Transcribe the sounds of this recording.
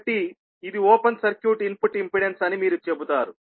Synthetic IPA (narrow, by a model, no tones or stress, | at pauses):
ʈi | id̪ioːpɐnsɐɾkjuːʈimpuʈimpiɽensɐnimiːɾut͡ʃebut̪aːɾu